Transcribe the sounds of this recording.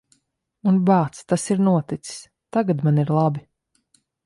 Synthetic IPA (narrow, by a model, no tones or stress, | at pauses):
unbaːt̪st̪asiɾnuɔt̪it̪si̥s | t̪aɡat̪maniɾlˠabi